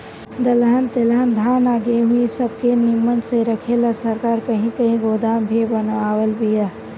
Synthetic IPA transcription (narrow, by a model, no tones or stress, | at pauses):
d̪əlɦənt̪elɦənd̪ʱaːnaːɡeɦʊisəb̚kenɪmənseɾəkʰelasəɾkaːɾkəɦĩkəɦĩɡoːd̪aːmbʱibənʋaːwəlbʱija